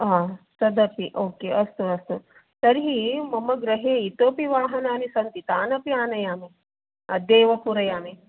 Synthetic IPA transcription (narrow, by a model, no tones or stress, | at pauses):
aːsɐd̪ɐpiʔoːkeːʔɐst̪uɐst̪u | sɐɾɦimɐmɐɡɾɐɦeːit̪oːpiʋaːɦɐnaːnisɐnt̪it̪aːnɐpiaːnɐjaːme | ɐd̪eːʋɐpuɾɐjaːme